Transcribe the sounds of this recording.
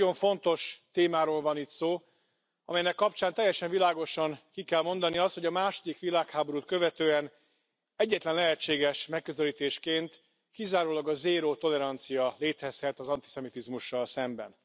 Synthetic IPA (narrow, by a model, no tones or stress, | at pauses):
o̞ɱfo̞nt̪o̞ʃt̪eːmaːɾoːlvɒnit̪soː | ɒ̰mɛjnɛkːɒp̚t͡ʃaːnt̪ɛjːɛʃɛɱvilaːɡo̞ʃɒŋkikɛlmo̞nd̪ɒniɒst̪ho̞ɟɒmaːʃo̞d̪ikʋilaːkhaːbo̞ɾut̪̚kø̞vɛt̪øːɛn | ɛɟːɛt̪lɛnlɛɦɛt͡ʃːeːɡɛʃmɛkːøzɛliːt̪eːʃkeːnt̪ | kizaːɾoːlɒɡɒzeːɾoːt̪o̞lɛɾɒnt̪sijɒleːt̪ɛshɛt̪ɒzɒnt̪isɛmit̪izmuʃːɒlsɛmbɛ̰n